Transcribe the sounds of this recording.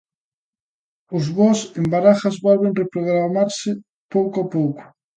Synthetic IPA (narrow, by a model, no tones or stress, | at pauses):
ʊzβɔsembaɾaxazβɔlβenrepɾoɣɾamaɾsɪ | powkoapowkʊ̥